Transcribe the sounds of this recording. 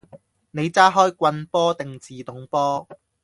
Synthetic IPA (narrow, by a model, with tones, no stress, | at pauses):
ne˨˧jt͡saː˥ɦɔː˥jkʷɐ˧npɔː˥t̪ɪ˨ŋt͡siː˨t̪ʊ˨˥ŋpɔː˥